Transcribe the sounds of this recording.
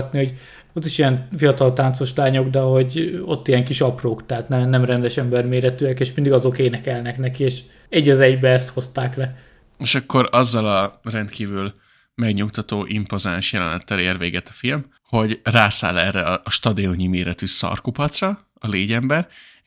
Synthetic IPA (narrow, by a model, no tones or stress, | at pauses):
t̪niho̞ɟ | ot̪ːiʃijɛnfijɒt̪ɒlt̪aːnt̪so̞ʃlaːɲo̞ɡd̪ɛɦo̞ɟot̪ːijɛŋkiʃɒproːkt̪ɛɦat̪nɛnɛmrɛnd̪ɛʃɛmbɛrmeːɾɛt̪yːɛkeːʃmind̪iɡɒzo̞keːnɛkɛlnɛknɛkieːʃ | ɛɟːɒzɛɟbɛɛst̪ho̞st̪aːklɛ | eʃɒkːo̞ɾɒzːɒlɒrɛnt̪kiːvyl | mɛɡɲukt̪ɒt̪oːʔimpo̞zaːnʃjɛlɛnɛt̪ːɛleːrveːɡɛt̪ɒ̥film | ho̞ɟraːsa̰ːlɛrːɛɒːʃt̪ɒd̪ioɲimeːɾɛt̪ysɒ̰rkupɒt̪srɒː | leːɟɛmbɛr